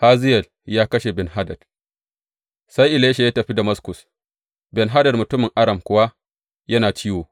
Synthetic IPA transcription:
haː˦zɪ˦jɐ˨l | jaː˦kɐ˦ʃe˨bɛ˨nɦa˦dɐ˨d̥ | sa˦jʔɪ˨leː˦ʃa˨jaː˦tɐ˨ɸi˦da˨mɐ˦skʊ˨s | bɛ˨nɦa˦dɐ˨dmʊ˨tʊ˦mɪ˨ŋʔa˦ɽɐ˨mkʷʊ˦wa˦ | jɐ˦naː˨t͡ʃiː˦woː˨

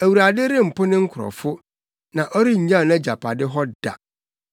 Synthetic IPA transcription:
æ˨wu˨ɾa˨dɪ˦ɾɪ˦m̩˨pʰʊ˦nɪ̃˦ŋ̩˦kʰʊ˨ɾɔ̰˨fʊ˦ | nã˨ʔɔ˦ɾi˦ɲ̩˨ɲã˦˨nɛ̃˦d͡ʑa˨pʰa˨dɪ˦ɦɔ˦da̰˨

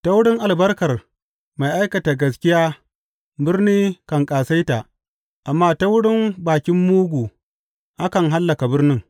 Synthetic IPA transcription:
ta˦wʊ˦ɽɪ˦ŋʔa˨lbɐ˦rkɐ˨r | ma˨jʔa˦jkɐ˨ta˨ɡɐ˨s̬kʲɪ˦jaː˦ | bɪ˦rniː˦kɐ˨ŋkʼaː˨sa˦jta˨ʔ | ʔa˨mːaː˦ta˦wʊ˦ɽɪ˦mbaː˨kʲɪ˦mːuː˦ɡʷuː˨ | ha˦kɐ˨ŋɦa˦lːɐ˨ka˨bɪ˦rnɪ˦ŋ

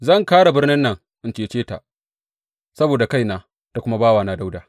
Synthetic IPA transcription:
zɐ˦˨ŋkaː˦ɽa˨bɪ˦rnɪ˦nːɐ˨ŋ | ʔɪ˨nt͡ʃeː˨t͡ʃeː˦ta̰˨ | sɐ˦boː˨da˨ka˦jnaː˨ | ta˨kʷʊ˦ma˦baː˦waː˨naː˨˦da˦wdaː˨

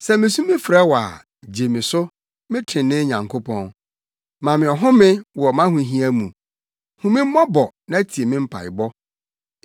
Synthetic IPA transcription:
sɛ˦mɪ̃˨sũ˦mɪ̃˦fɾɛ˦wɔ˨a̰˨ | d͡ʑe˨mɪ̃˨sʊ˦ | mɪ̃˦tʰɪ̃˨nɪ̃˦ɲã˨ŋkʰo˦pʰɔ̃˦n | mã˨mɪ̃˨ɔ˨ɦʊ̃˦mɪ̃˦wɔ˨mã˦hũ˨ɦĩ˦æ˦mũ˨ | hʊ̃˦mɪ̃˦m̩˦mɔ̃˦bɔ˨nã˦æ˦tʰi˨e˨mɪ̃˦m̩˦pʰa̰˨ɪ̰˨bɔ˦

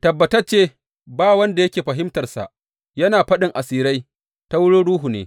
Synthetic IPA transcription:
tɐ˨bːɐ˨tɐ˦t͡ʃeː˦ | baː˦wɐ˦nda˨jɐ˦kʲeː˨ɸɐ˨ɦɪ˦mtɐ˨rsa̰˨ʔ | jɐ˦naː˨ɸɐ˦ɗɪ˨ŋʔa˨siː˦ɾa˦j | ta˦wʊ˦ɽoː˦ɽuː˦ɦu˨nḛː˨˦

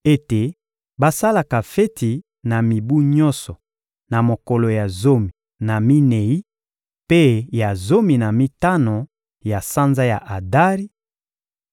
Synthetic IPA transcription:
e˦te˨ | ba˦sa˦la˨ka˨fe˦tʰi˨ | na˨mi˨bu˦ɲɔ̃˦sɔ˨ | na˨mo˨kɔ˨lo˨ja˨zo˦mi˨ | na˨mi˦ne˨i˦ | pe˦ja˨zo˦mi˨na˨mi˦ta˦no˨ | ja˨sa˦nza˦ja˨ʔa˨da˦ʁi˦

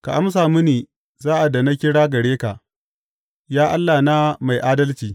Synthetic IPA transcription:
ka̰˨ʔa˦ms̬aː˨mu˦niː˨ | zaː˦ʔa˨da˨na˦kʲɪ˦ɽaː˦ɡɐ˨ɽeː˦ka˨ʔ | jaː˦ʔa˦lːaː˨na˦ma˨jʔaː˦dɐ˦lt͡ʃiː˨

